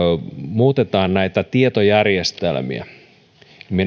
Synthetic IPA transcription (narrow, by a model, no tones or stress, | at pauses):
muːt̪et̪ɑːnnæit̪æt̪iet̪ojærjest̪ḛlmḭæ̰ | min